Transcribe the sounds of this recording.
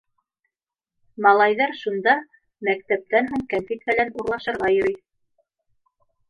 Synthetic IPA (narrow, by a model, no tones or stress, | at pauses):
mɑlˠɑjðɑɾʃund̪ɑ | mæk̚t̪æp̚t̪ænɦuɴkænfit̪bɘ̆lænuɾlˠɑʃɤ̆ɾʁɑjɵ̆ɾyj